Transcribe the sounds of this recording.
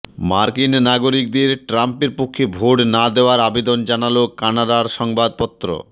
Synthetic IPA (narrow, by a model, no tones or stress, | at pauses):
maɾkinnaɡoɾik̚d̪eɾʈɾampeɾpokʰːebʱoʈnad̪eoaɾabed̪ond͡ʑanalokanad̪aɾʃɔŋbad̪̚pɔt̪ːɾo̰